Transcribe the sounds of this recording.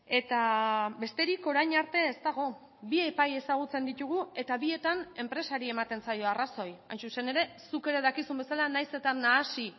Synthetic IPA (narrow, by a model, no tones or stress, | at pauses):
e̞t̪abe̞st̪e̞ɾiko̞ɾajɲaɾt̪e̞ːst̪aɣ̞o̞ | bie̞paje̞saɣ̞ut͡se̞nd̪it̪uɣ̞ue̞t̪aβie̞t̪ane̞mpɾe̞saɾie̞mat̪e̞nsajo̞araso̞jajnsuse̞ne̞ɾe̞suke̞ɾe̞ðakisumbe̞salanajse̞t̪anːaːsi